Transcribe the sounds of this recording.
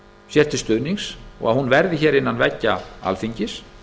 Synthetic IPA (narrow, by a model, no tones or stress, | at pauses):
sjɛr̥t̪ʰɪlst̪ʏðniŋksɔ̰ɣa̰hunvɛɾðɪçɛːɾɪnːanvɛcːaa̰lfiɲcɪs